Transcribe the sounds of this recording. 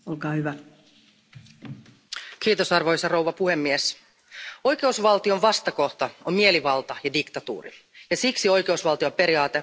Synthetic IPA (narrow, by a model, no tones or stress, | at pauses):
olkɑːhyʋæ | k̟iːt̪o̞sɑrʋo̞jsɑro̞uʋːɑpuhemːies | o̞jkeusʋɑlt̪io̞nʋɑst̪ɑko̞ht̪ɑommie̞liʋɑlt̪ɑjɑdikt̪ɑt̪ṵːrḭ | jɑsiksio̞jke̞usʋɑlt̪iompe̞ɾiɑːt̪e